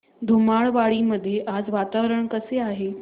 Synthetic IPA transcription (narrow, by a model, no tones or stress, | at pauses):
d̪ʱumaɭʋaɭiməd̪ʱːjeʔad͡zʋat̪aʋɾəɳ̃kəseaːɦe